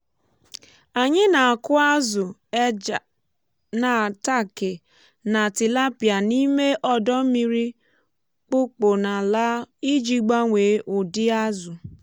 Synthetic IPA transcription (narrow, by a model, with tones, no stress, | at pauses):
a˨ɲɪ˦na˨a˨kʊ˦a˦zʊ˨ | na˨ta˦˨kɪ˨ | na˨tɪ˨la˦pja˨ni˦me˦ʔɔ˦dɔ˦m̩˦mi˦ɾi˦ | k͡pʊ˦k͡pʊ˨na˨la˦i˦d͡ʒi˦ɡ͡ba˦ŋʷe˨˦ʔʊ˨dɪ˦a˦zʊ˨